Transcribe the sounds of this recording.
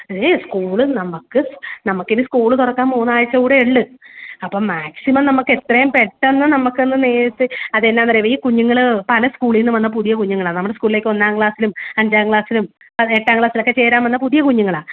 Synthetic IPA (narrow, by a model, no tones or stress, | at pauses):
ðeːskuːɭɨnɐmːukːɨnɐmukːeɾuskuːɭɨt̪urɐkːaːnmuːnːaːjɐt͡ɕːɐuːɽeeɭːɨɐpːoːɭmaːksimɐmnɐmːukːe̞t̪rɐjumpeʈːenːɨnɐmukːenːɨneːsɨɐðenːaːnɐreʋɐjikuɲːuŋːɐɭɨpɐlɐskuːɭilnːumʋɐnːɐpuðijɐkuɲːuŋːɐɭaːnɐmːuɽeskuːɭileːkːo̞nːaːŋkɭaːsilumɐɲd͡ʑaːŋkɭaːsilum | pɐeʈːaːŋkɭaːsilo̞kːe̞t͡ɕe̞ːɾaːmɐnːɐpuðijɐkuɲːuŋːɐɭaː